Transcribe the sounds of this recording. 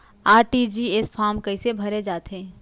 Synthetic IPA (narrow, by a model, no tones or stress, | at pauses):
aːɾʈid͡ʒiesfʰaːɾmkɐisebʱɐɾed͡ʒaːt̪ɦɛ̃ː